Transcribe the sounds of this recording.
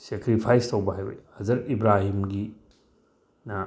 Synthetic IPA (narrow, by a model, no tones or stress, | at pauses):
sekɾipʰajstɐwbɐɦajo̰jhɐzɐɾibɾaɦimɡi | nɐ